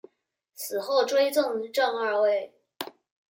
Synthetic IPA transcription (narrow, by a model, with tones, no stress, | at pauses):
sʰɹ̩˨˩xo˥˩ʊʈ͡ʂwe˥ɪt͡sʊ˥˧ŋʈ͡ʂɑ˥˧ŋə˞˥˧we˥˩ɪ